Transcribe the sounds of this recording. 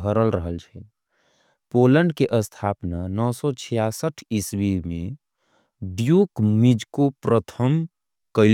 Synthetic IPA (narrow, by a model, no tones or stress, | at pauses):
ɦəɾəlɾəɦəlt͡ʃʰɛ | poləɳɖkeʔəst̪ʰapnanɔːsɔt͡ʃʰijasəʈʰiswimẽ | ɖjukmid͡ʒkopɾət̪ʰəm | kəɪl